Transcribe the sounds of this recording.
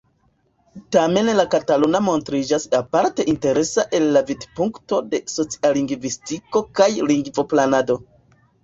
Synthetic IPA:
tame̞nlakatalonamo̞ntɾid͡ʒasapaɾte̞ʔinte̞ɾe̞saʔe̞lːavidpuŋkto̞de̞so̞t͡si̥aliŋɡvistiko̞kajliŋɡvo̞planado̞

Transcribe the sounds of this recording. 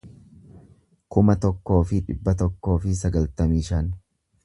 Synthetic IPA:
kʊmɐt̪ɔkːo̞ːfɪᶑɪbːɐt̪̬ɔkːo̞ːfɪsɐɡɐlt̪ɐmiːʃɐn

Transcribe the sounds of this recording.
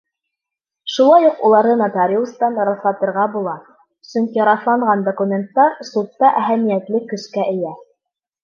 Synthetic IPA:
ʃulˠɑjuqulˠɑɾðɤnɑt̪ɑɾʲilˠst̪ɑnɾɑθlˠɑt̪ɤ̆ɾʁɑbulˠɑ | sɵŋkiɾɑθlˠɑɴʁɑnd̪okumʲent̪ːɑɾsut̪ːɑʔæɦæmijæt̪lɘkːɵ̆ʃkæʔɘ̆jæ

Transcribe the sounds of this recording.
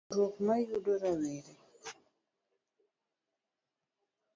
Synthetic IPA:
ɾokmajudoɾaweɾe

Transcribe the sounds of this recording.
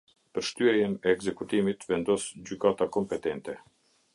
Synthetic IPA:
pəɾʃt̪yɛjɛnɛːɡzɛkut̪imit̪vɛnd̪ɔsd͡ʑykat̪akɔmpɛt̪ɛnt̪ɛ

